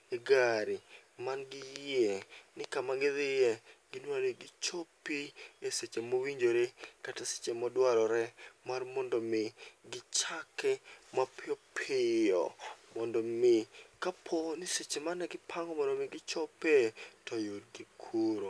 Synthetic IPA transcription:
eɡaɾɪmanɡɪjenɪkamaɡɪðɪjɛɡɪnwaɾeɡɪt͡ʃopieset͡ʃemowiɲd͡ʒoɾekatase̥t͡ʃemɔdwaɾɔɾɛmarmɔndɔmɪɡɪt͡ʃakɛmapɪɔpʰɪjɔ̰mɔndɔmɪkapʰonɪset͡ʃemanɛɡɪpʰaŋɡɔmɔndɔmɪɡɪt͡ʃopetʰɔjudɡikʰuɾo

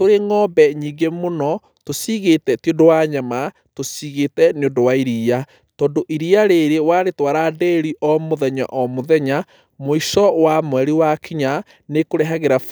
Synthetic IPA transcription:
toɾeŋɔbɛɲiːɡemonɔ | tosiɣetɛtiodowaɲama | tosiɣetɛneondowaiɾiːa | tɔːndoʔiɾiaɾeɾewaɾetwaɾadɛɾiʔɔmoðɛɲa̰ʔɔmoðɛɲa | moiʃɔwamwɛɾiwakiɲa | nekoɾɛɦaɣeɾa

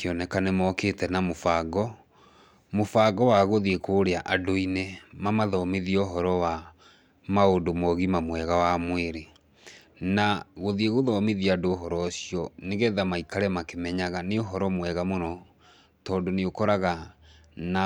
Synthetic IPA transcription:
keɔnɛkanemɔketɛnamofaɡɔ | mofaɡɔwaɣoðiekoːɾeaʔadoinemamaðɔmeðioɦɔɾɔwa | maondomɔɣimamwɛɣawamweɾe | naɣoðieɣoðɔmeðiadoːɦɔɾɔsiɔneɣɛðamaikaɾɛmakemɛɲaɣaneoɦɔɾɔmwɛɣamonɔ | tɔːdoneokɔɾaɣa | na

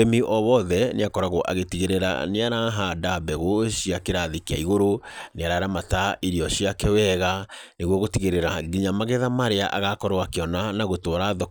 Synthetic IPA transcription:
emiʔɔβɔðɛneakɔɾaɣoʔa̰ɣetiɣeɾeɾa̰neaɾaɦadabɛɣoɕiakeɾaðikia̰iɣoɾoneaɾaɾamataʔiɾiɔɕiakɛwɛɣaneɣwɔɣotiɣeɾeɾaɡiɲamaɣɛðamaɾeaʔaɣakɔɾowakeɔnanaɣotwɔɾaðɔ

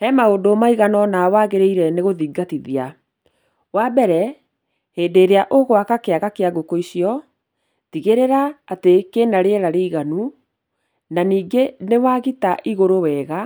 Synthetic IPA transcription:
hɛmaodomaiɣanɔnawaɣeɾeiɾɛneɣoðiɡatiðia | wabɛɾɛ | heːdeːɾeaʔoɣwakakeaɣakeaɡokoisjɔ | tiɣeɾeɾaːtekenaɾeɾaɾeiɣanu | naniːɡenewaɣitaʔiɣoɾowɛːɣa

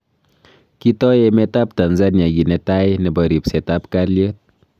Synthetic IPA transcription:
kitɔjemetap̚tanzanaɡinetajnebəɾipsɛtapkaɾliot̚

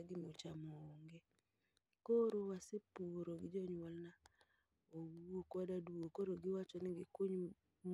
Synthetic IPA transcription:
ɡɪmot͡ʃamoŋɡe | koɾowasepuɾoɡɪd͡ʒɔɲwɔlna | owuokwadaduokoɾoɡɪwat͡ʃɔnɪɡikoɲ | m

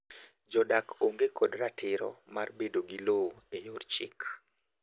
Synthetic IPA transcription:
d͡ʒɔdakoŋɡekʰɔdratʰɪɾɔ̰marbedoɡiloejort͡ʃɪ̰k

